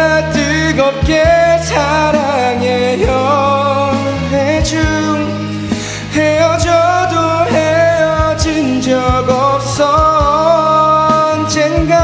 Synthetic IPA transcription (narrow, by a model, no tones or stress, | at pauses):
t̪ɯɡʌp̚kesʰaɾaŋejʌ | ɦed͡ʑuŋ | hejʌd͡ʑʌd̪ohejʌd͡ʑind͡ʑʌɡʌp̚s͈ʌ | nd͡ʑenɡa